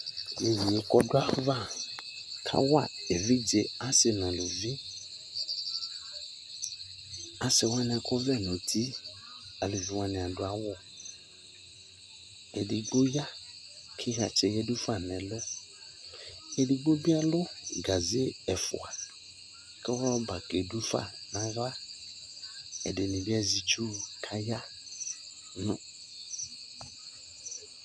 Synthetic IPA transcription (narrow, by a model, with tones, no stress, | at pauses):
je˨ji˨e˨˦kɔ˧dʊ˦a˦va˦˨ | kʰa̰˦wa̰˦˨e˨vi˦d͡ʒe˧a˦sɛ˨nã˨lo˨vĩ˦ | a˦sɛ˧wa˦nɪ̃˧a˧kɔ˦vɛ˦˨nõ˨tʰi˦ | a˨lu˨vi˨˦wa˧nĩ˧˨a˨dʊ˧˦a˦wɔ˦˨ | ɛ˨di˧ɡ͡bo˦ja˦ | kʰɪ˦ɣa˨t͡ʃɛ˨jɛ˦du˦fa˦˨nɛ˨lʊ˦ | ɛ˨dɪ˨ɡ͡bo˦bi˦a˦lʊ˦ɡa˨zɪ˦ɛ˨fʊ̰˨a˨ | kɛ˦wɔ˦ba˨ke˨du˦fa̰˦˨nã˨ɣa˦ | ɛ̰˨dɪ˨nɪ̃˨bi˦a˦zi˨˦t͡ʃu˦kʰa˦ja˦ | nʊ̃˨